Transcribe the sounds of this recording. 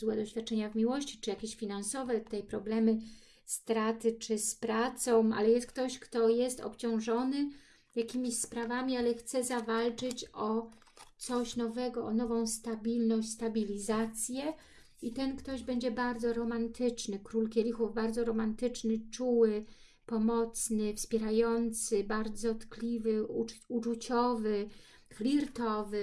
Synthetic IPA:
zwɛd̪ɔɕfʲat̪̚t͡ʂɛɲavmʲiwɔɕt͡ɕi̥t͡ʂɘjakʲeɕfʲinansɔvɛt̪ɛjpɾɔblɛmɘ | st̪ɾat̪ɘt͡ʂɘspɾat̪sɔ̃w̃a̰lɛjɛst̪kt̪ɔɕkt̪ɔjɛst̪ɔ̰pt͡ɕɔ̃w̃ʐɔnɘ | jakʲimʲiɕspɾavamʲialɛxt̪sɛzavalt͡ʂɘt͡ɕɔ | t̪sɔɕnɔvɛɡɔʔːnɔvɔ̃w̃st̪abʲilnɔɕʲst̪abʲilʲizat̪sʲjɛ | it̪ɛnkt̪ɔʑbɛɲd͡ʑɛbaɾd̪zɔɾɔmant̪ɘt͡ʂnɘkɾulkʲɛlʲixuvbaɾd̪zɔɾɔmant̪ɘt͡ʂnɘt͡ʂuwɘ | pɔmɔt̪snɘfspʲjɛɾajɔnt̪sɘbaɾd̪zɔt̪klʲivɘuut͡ʂut͡ɕɔvɘ | xlʲiɾt̪ɔvɘ

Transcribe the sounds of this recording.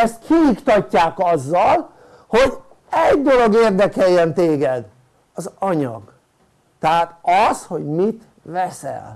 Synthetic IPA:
ɛst̪̚kʰijikt̪ɒcːaːkɒzːɒl | ho̞ɟ | ɛɟd̪o̞lo̞ɡeːrd̪ɛkɛjːɛnt̪eːɡɛd̪ | ɒzɒɲɒ̰ɡ̥ | t̪ɛɦaːt̪ɒsho̞ɟmit̪ | vɛsɛ̰l

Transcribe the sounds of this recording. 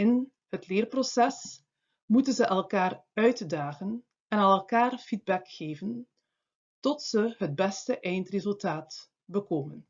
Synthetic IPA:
ɪn | hətlɪːrprosɛs | mutənzəʔɛlˠkaːrœɥtdaːχən | ɛnɑlɛlˠkaːrfid̚bɛkxeːvən | tɔtsəɦəd̚bɛstəʔɛjntrezɵlˠtaːt | bəkoːmən

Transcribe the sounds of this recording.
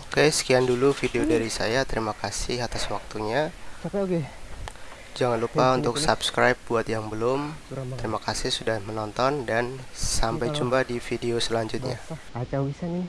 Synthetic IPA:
kajasə̥kiandulufideodaɾisa̰jat̪əɾimakasɪhat̪aswak̚t̪uɲat͡ʃapɛke | d͡ʒaŋanlupaunt̪ʊksapskɾajp̚buat̪jaŋbəlʊmt̪t̪əɾimakasɪhsudahmənɔnt̪ɔndansampajd͡ʒumbadifideosəlaɲd͡ʒʊt̪̚ɲa̰at͡ʃawisani

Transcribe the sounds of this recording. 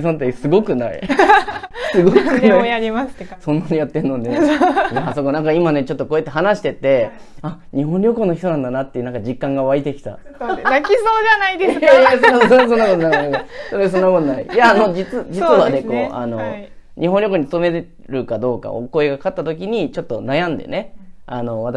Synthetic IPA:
sõt̪̬ːesɨɡo̞kɯ̟naḭ | sɨɡokɯjaɾʲimassõnːanejat̪ːẽ̞nːo̞d̪e | aso̞konãŋkaimane̞t͡ɕo̞t̪ːo̞koet̪ːe̞ɦanaɕi̥t̪e̞t̪e̞ | aɲ̟iɦõnɾʲo̞ko̞nːoçi̥t̪o̞nãnd̪anat̪ːejiɯnãŋkad͡ʑikːãŋɡaβait̪e̞kʲi̥t̪a̰ | akʲisoːd͡ʑanaid̪esosonːakot̪onak̪asoɾes̬o̞nːakot̪onaḭjaːno̞d͡ʑit͡sɨd͡ʑit͡sɨβane̞ko̞ːa̰no̞ɲʔiɦõ̞nɾʲjo̞ko̞ɲ̟it͡st̪o̞me̞ | ɾɯ̟kad̪o̞ːka̰o̰ko̞eɡakat̪ːat̪o̞kʲiɲ̟it͡ɕo̞t̪ːo̞najãnd̪e̞̰ne̞ano̞βat̪a

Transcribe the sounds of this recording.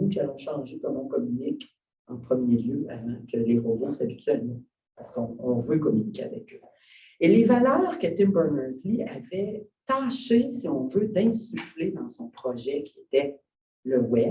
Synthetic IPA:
ukʲalɔ̃ʃɑ̃ʒekɔmɔ̃kɔmynɪk | ɑ̃pχəmjeljøʔavãkʰəleʁobosabit̪ɥɛlmã | paʁsə̥kɔ̃ɔ̃vøkɔmynikʲea̰vɛ̰kø | elevalœːʁkət̪ɪmbɛʁnɛzliavɛt̪aːʃesiɔ̃vød̪ɛ̃syfled̪ɑ̃sɔ̃pχɔʒɛkʲiet̪ɛ | ləwɛ

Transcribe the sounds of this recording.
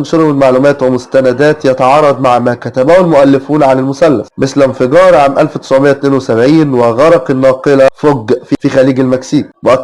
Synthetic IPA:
ʃoɾomɪlmaʕluːmæːt̪wemʊst̪ænæd̪æːt̪jɑt̪ɑʕɑːrˤɑd̪ˤmaʕmæːkæt̪æbæːhelmʊʔælːɪfuːnʕanælmʊsælːæ̰smɪslænfɪɡɑːɾˤʕaːmʔælfwt̪e̥sʕmejːæt̪neːnwesæbʕiːnweɣɑɾˤɑqenːɑːqɨlæfoɡfifixæliːɡælmæksiːk̚weʔæ

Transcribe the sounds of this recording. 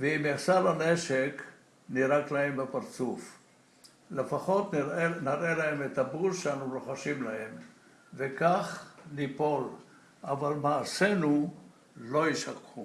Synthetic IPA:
veimjasaɾaneʃek | niɾaklahembepaɾt͡suf | lefaχo̞t̪naɾelahemet̪abulʃeanuɾoχaʃimlahe̞m | vekaχnipo̞l | ʔavalmaːse̞nu | lo̞iʃakχu

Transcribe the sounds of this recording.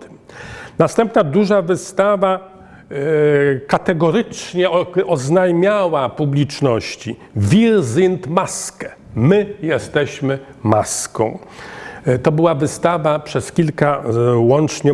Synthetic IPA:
nast̪ɛmpnad̪uʐavɘst̪ava | kat̪ɛɡɔɾɘt͡ʂɲɛʔɔznajmʲjawapublʲit͡ʂnɔɕt͡ɕi | vʲiɾzint̪maskɛ̥ | mɘjɛst̪ɛɕmɘ | maskɔ̰̃w̃ | t̪ɔbɘwavɘst̪avapʂɛskʲilkawɔnt͡ʂɲɛ

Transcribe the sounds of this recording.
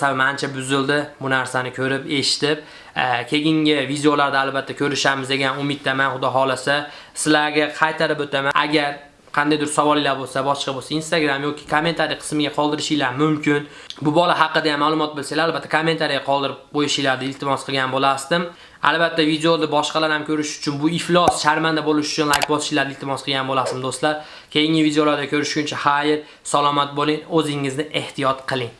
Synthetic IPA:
sabɪmant͡ʃʰabʊzɪld̪ɪbʊnaɾsanɪkʲʰɵɾɪpe̞ʃɪ̥t̪ɪp̚ | kʲʰe̞ɡʲɪŋʲɪvid̪eolaɾd̪aːlbat̪ʰːakʲʰɵɾɪʃamɪzd̪e̞ɡʲanʊmɪd̪̚t̪ːamanχʊd̪ɒɦɒlˠasa | sɪlaɾɡʲaqʰɑjt̪ʰaɾɪpot̪ʰamaaɡʲaɾ | qʰɑnd̪ajd̪ʊɾsawɒlˠijlaɾbolˠsabɒʃqɑbolˠsainst̪aɡɾamjɒkʲʰɪ̥kʰome̞nt̪ʰaɾijqʰə̥ɨ̥smɪɡʲaqʰɒlˠd̪ɪɾɪʃɪjlaɾmʊmkʲɪn | bʊbɒlaɦɑqːɨd̪ajamːalˠʊmɒt̪̚bɪlsalaalbat̪ːakʰomːe̞nt̪ʰaɾijaqʰɒlˠd̪ɪɾɪp̚qojɪʃɪlaɾd̪aɪlt̪ʰɪmɒsqʰɨɡʲanbolasd̪ɪm | a̰lˠbat̪ʰːavid̪eod̪abɒʃqɑlaɾhamkʲʰɵɾɪʃʊ̥t͡ʃʰʊnbʊɪflˠɒsʃaɾmand̪abolɪʃʊ̥t͡ʃʰʊnlˠajkʲbɒsɪ̥ʃɪlaɾd̪ɪlt̪ʰɪmɒsqʰɨɡʲanbolasɪmd̪ost̪laɾ | kʲʰe̞jɪŋʲɪvid̪eolaɾd̪akʲʰɵɾɪʃʊnt͡ʃʰahajɪɾ | salˠɒmat̪̚bolˠɪŋɵzɪŋːɪznɪʔe̞ht̪ʰijɒt̪qʰɨlˠɪŋ

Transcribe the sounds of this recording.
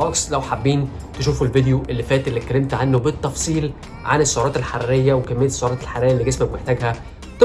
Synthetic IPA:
ʔɑksˤlæwħabːiːn | t̪eʃuːfulvid̪joʔelːifæːt̪ʔelːit̪̚kːælːemt̪ʕanːobet̪ˤːɑfsˤiːl | ʕa̰nesːoʕoɾˤɑːt̪elħarːejːæwekæmːej̪ːe̥sːoʕɾɑːt̪elħaɾrːejælːiɡæsmæbmeħt̪æːɡhæ | t̪

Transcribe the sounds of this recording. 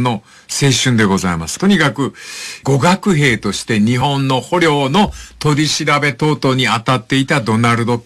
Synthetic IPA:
no̞ | se̞ːɕɨ̃nd̪e̞ɡo̞za̰ima̰sɨ̥t̪o̞ɲ̟ikakɯ̟ɡo̞ɡakɯ̟ɦe̞ːt̪o̞ɕi̥t̪e̞ɲ̟iɦõ̞nːo̞ho̞ɾʲjo̞ːno̞t̪o̞ɾʲiɕiɾabe̞t̪o̞ːt̪o̞ɲ̟iat̪at̪ːe̞it̪ad̪o̞naɾɯ̟d̪o̞

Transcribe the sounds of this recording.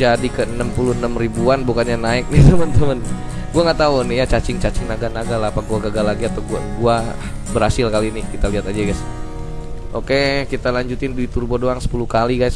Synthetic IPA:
d͡ʒadikəənəmpuluənəmribuanbukanɲanaɪk̚nɪt̪əmənt̪əmən | ɡuaŋaʔt̪aunɪhjat͡ʃat͡ʃɪŋt͡ʃat͡ʃɪŋnaɡanaɡalaapaɡuaɡaɡalaɡiat̪aɡa̰ɡua | bəɾhasɪlkalinɪhkit̪aliɦat̪ad͡ʒaɡajs | ʔokekit̪alaɲd͡ʒut̪ɪndit̪urbodoaŋsə̥pulukaliɡajs

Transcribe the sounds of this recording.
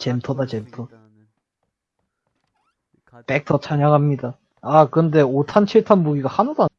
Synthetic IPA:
t͡ɕemtʰodat͡ɕemtʰo | pek̚t͈ʰʌt͡ɕʰaɲaɡamɲida | akɯʌnde̞otʰant͡ɕʰiɭtʰanmuɡiɡahanadoa

